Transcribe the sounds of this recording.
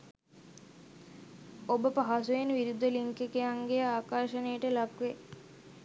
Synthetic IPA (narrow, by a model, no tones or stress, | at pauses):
obəpaɦasuʋenʋiɾud̪əliŋkekejaŋɡeaːkaːʃənejəʈəlakʋe